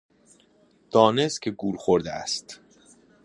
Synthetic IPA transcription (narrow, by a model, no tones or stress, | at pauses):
d̪̥ɒːne̞scʲʰeɡuːɾxoɾd̪eæ̰st̪